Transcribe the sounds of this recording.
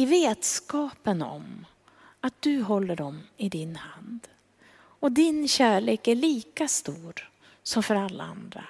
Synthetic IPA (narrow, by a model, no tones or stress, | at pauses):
ɪveːd̪skɑːpənɔ̰m | at̪̚d̪̥ɵɦɔlːəɖɔmɪd̪ɪnhand̪ | ɔd̪ɪnɕæːɭeːkæɭiːkast̪uːɾ | sɔmfœɾalːa̰a̰nd̪ɾa̰